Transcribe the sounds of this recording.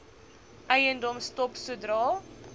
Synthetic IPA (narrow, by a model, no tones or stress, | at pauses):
ʔəjəndɔmstɔpsudrɑː